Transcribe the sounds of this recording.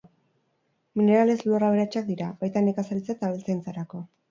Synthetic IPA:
mine̞ɾale̞zloraβeɾat͡ʃak̚d̪iɾabajt̪anekasalit͡set̪aβelt͡sajnt͡saɾako̞

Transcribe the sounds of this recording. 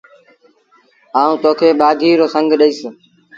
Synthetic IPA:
aːũːt̪oːkʰeːɓaːɡ̪ʱiːɾoːsəŋɡʱɗəiːs

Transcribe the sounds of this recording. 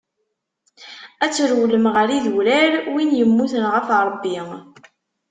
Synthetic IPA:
æt͡sːɾwləmʁəɾiðuɾæɾwinjəmːuθənʁəfɾˤəbːi

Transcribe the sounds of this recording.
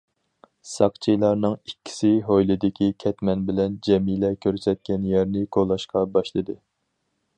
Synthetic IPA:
sɑqt͡ʃʰijlˠɑɾnɨŋikʲːi̥sɪɦojlɨd̪ɪkʲʰikʲʰɛt̪mɛnbɪlɛnd͡ʒɛmilɛkʲʰøɾsɛt̪̚kʲɛnjɛɾnɪkʰolˠːɑʃqɑbɑʃlˠɨd̪ɨ

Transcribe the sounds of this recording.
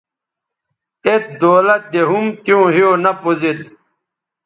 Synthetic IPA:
et̪̚d̪oːlɐt̪̚d̪eɦumt̪ijõːɦijonɐpozet̪

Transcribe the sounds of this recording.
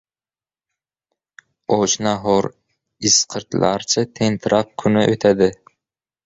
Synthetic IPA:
oʃnɑɦoɾ | isqʰəɾt̪ʰlˠɑ̰ɾt͡ʃʰɪt̪ʰent̪ʰɨɾʔɑp̚kʲʰynɪʔøt̪ʰæd̪ɪ

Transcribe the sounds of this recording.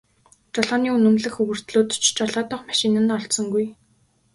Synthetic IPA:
t͡ɕɔɮɔːniːunɵ̆mɮɘ̆xɵɣɵ̆r̥t̪ɮoːt̪t͡ɕʰt͡ɕɔɮaːt̪ɔ̆ːχmaʃɪnə̆nɔɮɬt̪sɞ̆ŋɡuj

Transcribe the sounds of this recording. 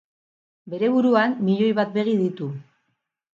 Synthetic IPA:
be̞ɾe̞βuɾuanːiʎo̞jβat̪̚be̞ɣ̞iðit̪u

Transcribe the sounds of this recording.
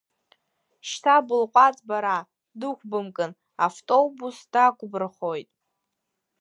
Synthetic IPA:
ʃtʰabɨlqʷʼat͡sʼbaɾa | dɨkʷʰʼbɨmkʼɨn | aftʼo̞busd̥akʷʰʼbɨrχo̞jtʼ

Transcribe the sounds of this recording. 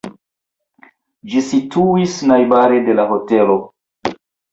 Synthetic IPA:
d͡ʒisituisnajbaɾede̞laɦo̞te̞lo̞

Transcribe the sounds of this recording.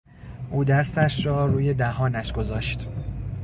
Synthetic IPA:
ʔuːd̪æst̪æʃrɒːɾuːje̞d̪æhɒːnæʃɡ̥o̞zɒːʃt̪

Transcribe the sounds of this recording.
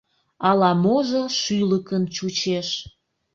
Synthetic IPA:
ɑlɑmoʒoʃyləkənt͡ɕut͡ɕeʃ

